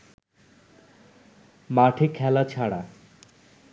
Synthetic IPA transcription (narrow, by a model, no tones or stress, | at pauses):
maʈʰekʰɛlat͡ɕʰaɽa̰